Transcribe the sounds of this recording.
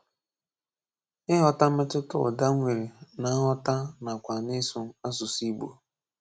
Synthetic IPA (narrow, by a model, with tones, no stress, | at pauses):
ɪ˦ɦɔ˦ta˦m̩˦me˦tɪ˦tʊ̰˦˨da˦ŋʷe˨ɾe˨na˨˦ɦɔ˦ta˦na˨kʷa˨nɪ˦sʊ˨˦a˦sʊ˨si˦ɡ͡bo̰˨